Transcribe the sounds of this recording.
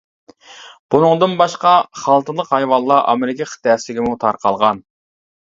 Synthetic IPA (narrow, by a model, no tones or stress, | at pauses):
b̥unɨŋd̪ɨnbɑʃqɑχɑlˠt̪ʰɨlˠəqhɑjwɑlˠːɑʔɑ̰meɾɪkʲʰiχʰə̥t̪ʰɛːsɪlɪɡʲimut̪ʰɑɾqʰɑlˠʁɑn